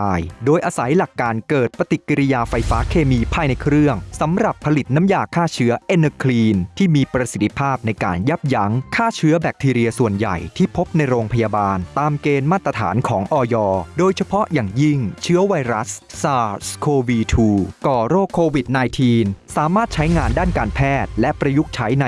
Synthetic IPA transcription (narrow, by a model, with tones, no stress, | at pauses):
jdoː˧jʔaː˧sa˩˦jla˨˩kːaː˧nkɤː˨˩t̪̚pa˧t̪i˨˩kːi˧ɾi˦˧jaː˧fa˧jfaː˦˥kʰeː˧miː˧pʰaː˧˩jna˧jkʰɾɯ˥˩əŋsa˩˦mɾa˨˩pʰːa˧li˨˩t̪̚na˦˥mjaː˨˩kʰːaː˥˩t͡ɕʰɯ˦˥ɐʔe˧nːə˧kʰliː˧nt̪ʰiː˥˩miː˧pɾa˧si˨˩t̪ʰːi˧pʰaː˥˩p̚na˧jka̰ː˧nja˦˥˩p̚ja˦˥ŋkʰaː˥˩t͡ɕʰɯ˦˥ɐbɛː˨˩k̚t̪ʰiː˧ɾi˧ɐsu˨˩ənja̰˨˩jt̪ʰiː˥˩pʰo˦˥p̚na˧jɾoː˧ŋpʰa˧jaː˧baː˧nt̪aː˧mkeː˧nmaː˥˩t̪ːɾa˧t̪ʰa̰ː˩˦nkʰɔː˩˦ŋʔɔː˧jɔː˧doː˧jt͡ɕʰa˧pʰɔ˦˥jaː˨˩ŋji˥˩ŋt͡ɕʰɯ˦˥ɐwa˧jɾa˦˥ssaː˧˥skʰoː˧wiː˧t̪ʰuː˧kɔː˨˩ɾoː˥˩kʰːoː˧wi˨˩t̪̚naː˧jt̪ʰiː˧nsaː˩˦maː˥˩t̪̚t͡ɕʰa˦˥jŋaː˧ndaː˥˩nkaː˧npʰɛː˥˩t̪̚lɛ˦˥ʔpɾa˧ju˦˥k̚t͡ɕʰa˦˥jna˧